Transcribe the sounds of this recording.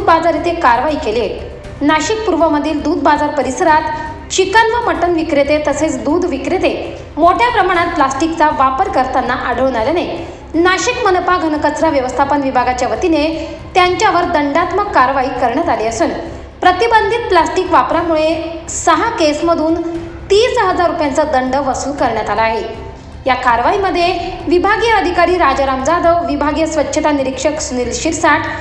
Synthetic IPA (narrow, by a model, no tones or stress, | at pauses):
d̪̚bad͡zaɾit̪ekaɾʋaikele | naɕik̚puɾʋəməd̪ʱiːld̪uːd̪̚bad͡zaɾpəɾisəɾat̪ | t͡ɕikənʋəməʈənʋikɾet̪et̪əset͡sd̪uːd̪ʋikɾet̪e | moʈʰjapɾəmaɽ̃at̪̚plasʈikt͡saʋapəɾkəɾt̪anːaʔaɽ̤ʱəʋñaljanej | naɕikmənpaɡʱənkət͡sɾaʋjəʋəst̪ʰapənʋibʱaɡat͡ɕjaʋət̪ine | t̪jaɲt͡ɕjaʋəɾd̪əɳɖat̪məkːaɾʋaiːkəɾɳjat̪aleəsən | pɾət̪ibənd̪ʱit̪̚plasʈiːkʋapɾamuɭesəɦakesməd̪ʱuːn | t̪iːsɦəd͡zaɾːupjant͡səd̪əɳɖəʋəsuːlkəɾɳjat̪alaːɦe | jakaɾʋaiməd̪ʱːjeʋibʱaɡjəəd̪ʱikaɾiːɾad͡ʑɾamd͡zad̪əʋʋibʱaɡjəsʋətːɕʰət̪aniɾikʂəksunilɕiɾsaʈ